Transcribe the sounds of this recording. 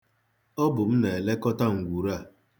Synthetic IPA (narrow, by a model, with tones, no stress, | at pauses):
ɔ˦bʊ˨m̩˦ne˨e˨le˦kɔ˦ta˦ŋ̩˨ɡʷu˨ɾa˦˨